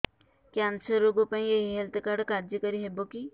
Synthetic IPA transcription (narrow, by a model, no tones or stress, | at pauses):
kansəɾːoɡopãĩjeɦiɦelt̪kaɽkaɾd͡ʒikəɾiɦeboki